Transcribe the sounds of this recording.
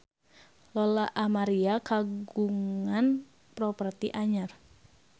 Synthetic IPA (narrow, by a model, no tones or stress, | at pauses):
lɔlaʔamaɾiakaɡuŋan | pɾɔpərt̪iʔaɲar